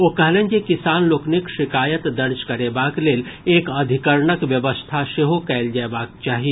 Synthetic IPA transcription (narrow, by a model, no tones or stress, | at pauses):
oːkɐɦlẽːd͡ʒekɪsaːnloːknɪkʃɪkaːjət̪d̪ɐɾd͡ʒkɐɾeːbaːkleːleːkɐd̪ʱɪkəɾɳəkʋjɐʋəst̪ʰaʃeɦokɛːld͡ʒaːebaːk̚t͡ʃaːɦieː